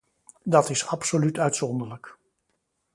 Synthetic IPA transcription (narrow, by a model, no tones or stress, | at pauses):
dɑtɪsɑpsolytœɥtsɔndələk